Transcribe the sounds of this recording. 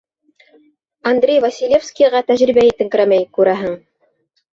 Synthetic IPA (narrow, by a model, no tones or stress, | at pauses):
ɐnd̪rʲejvɐsʲilʲefskʲijʁɑt̪æʑɾibæit̪ɘ̆ŋk̆ɾæmæjkʉɾæɦɘŋ